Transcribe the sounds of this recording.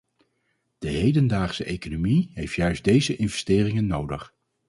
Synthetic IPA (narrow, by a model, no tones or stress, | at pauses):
d̥əɦejdəndaːχsəʔejkonomiɦejftjœɥzdejzəʔɪnvɛstɪːrɪŋənːowdəχ